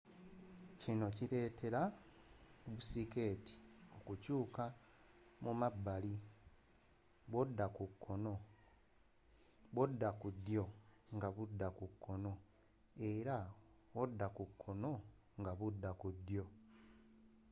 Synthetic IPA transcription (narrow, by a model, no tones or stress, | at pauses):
cino̞cile̞ːtʰe̞ɾa | βusike̞ːti̥o̞kucuːka | mumabːali | βodːakukʰːono | βodːakudjo̞ŋɡaβudːakukʰːo̞no̞ | e̞ɾa | wodːakukʰːo̞no̞ | ŋɡaβudːakudːjo̞